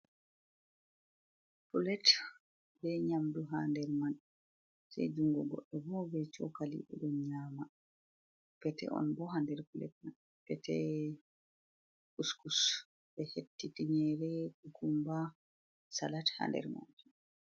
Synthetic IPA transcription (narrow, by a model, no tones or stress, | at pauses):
pulɛt | bɛɲamduɦaːndɛɾman | sɛ̰jd͡ʒuŋɡɔɡɔʔɛvɔbɛt͡ʃɔkalḭɗɛɗɔnɲaːma | pɛtɛ̰ʔɔ̰nbɔɦandɛɾpulɛ̰t̚man | pɛtɛ | uskus | bɛhetːitiɲɛɾɛkukumba | salatha̰ndɛ̰ɾma̰nd͡ʒi